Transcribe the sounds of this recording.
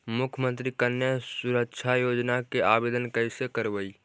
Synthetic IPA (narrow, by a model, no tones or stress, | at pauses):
mʊkʰmə̃nt̪ɾikənːjəsuɾəkʃʰajoːd͡ʒnakeaːbeːd̪ənkəɪsekəɾbəi